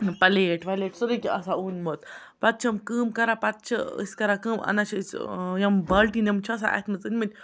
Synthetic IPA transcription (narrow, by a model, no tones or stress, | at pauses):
pɐleʈʋaleʈsuɾikʲiɐsauːnmot̪ | pɐt̪̚t͡ʃʰɐmkɨːmkɐɾapɐt̪̚t͡ʃʰɐə̰sʲkɐɾakɨːmɐ̰nat͡ʃʰɐt͡sjɐmbɐlʈinemt͡ʃʰːs̬a̰ʔa̰kmɐt͡sɨnʲmɐnʲ